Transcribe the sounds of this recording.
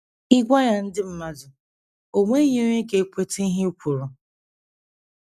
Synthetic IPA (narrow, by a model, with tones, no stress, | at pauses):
i˦ɡʷa˦ja˨n̩˦dɪ˦m̩˦ma˦zʊ˨ | o˨ŋʷe˦ɲe˦o˦ɲe˦ke˨kʷe˦te˦ɦɪ˦u˦kʷu˨ɾʊ˨